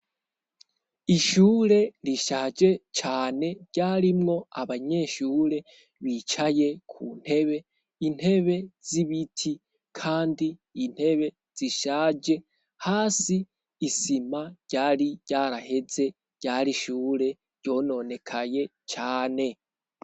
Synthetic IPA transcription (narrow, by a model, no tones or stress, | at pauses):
iʃuːɾe̞ɾiʃaːd͡ʒe̞t͡ʃaːne̞ɟ̥aːɾimŋo̞aβaɲe̞ʃuːɾe̞ | βit͡ʃaje̞kʰun̥he̞βe̞ | in̥he̞βe̞z̥iβitʰi | kʰaːndiːn̥he̞βe̞ | z̥iʃaːd͡ʒe̞ | haːsiː | simaɟ̥aːɾiɟ̥aɾahe̞ze̞ | ɟ̥aːɾiʃuːɾe̞ | ɾɟo̞ːno̞ne̞kʰaje̞ | t͡ʃaːne̞